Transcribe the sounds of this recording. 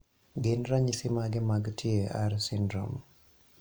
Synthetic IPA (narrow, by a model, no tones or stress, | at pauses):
ɡɪnɾaɲisɪmaɡɪmaɡtʰjea̰ɾsɪndɾɔ̰m